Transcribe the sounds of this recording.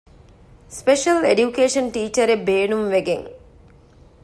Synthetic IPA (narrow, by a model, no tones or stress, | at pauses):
speʂɐlḛɖjukeːʂɐnʈiːt͡ʃɐɾebeːnumʋeɡḛŋ